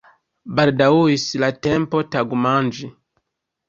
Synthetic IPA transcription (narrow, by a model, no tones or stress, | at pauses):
baldawuislatempo̞taɡumand͡ʒi